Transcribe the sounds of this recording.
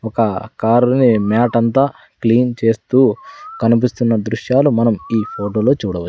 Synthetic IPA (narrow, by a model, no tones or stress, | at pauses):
ɔkɐkaːɾunimaːʈɐnt̪aː | kliːnt͡ʃe̞ːst̪uːkɐnip̬ist̪unːɐd̪ɾuʂjaːlumɐnɐmiːpʰoːʈo̞ːlo̞ːt͡ʃuːɽɐʋɐt͡ʃ